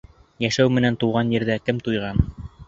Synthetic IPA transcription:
jæʃæwmɘ̆nænt̪uwʁɑnjɘ̆ɾðækɘmt̪ujʁɑn

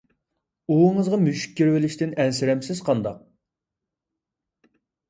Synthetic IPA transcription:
uɴəzʁɑmyʃy̥k̚ʲːeɾwɪlɪʃt̪ɪnɛnsɪɾɛmsɪz̥qʰɑnd̪ɑq̚

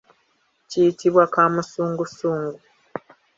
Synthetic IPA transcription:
cijitiβwakaːmusuːŋɡusuːŋɡu

